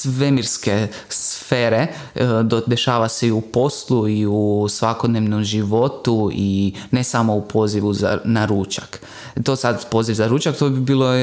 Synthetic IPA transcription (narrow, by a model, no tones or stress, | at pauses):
sʋemiɾske | sfeːɾe̞ | d̪e̞ʃaːʋase̞iupo̞slˠuiusʋakod̪neʋnomʒiʋo̞t̪uine̞samo̞upʰo̞ːziʋuza̰naɾuːt͡ʃak | t̪oːsad̪po̞ːziʋzaɾuːt͡ʃakt̪obibiːlˠo